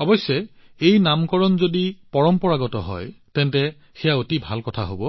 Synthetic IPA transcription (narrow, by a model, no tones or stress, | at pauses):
ɔbɔsjɔ | ejnamkɔɹɔnzodipɔɹɔmpɔɹaɡɔtɔɦɔ̰jtɛntɛ | xɛjaotibʱalkɔtʰa̰ɦobɔ